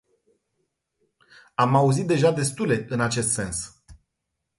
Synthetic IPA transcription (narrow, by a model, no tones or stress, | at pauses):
amauzit̪̚d̪e̞ʒad̪e̞st̪ule̞ʔɨnat͡ʃe̞st̪se̞ns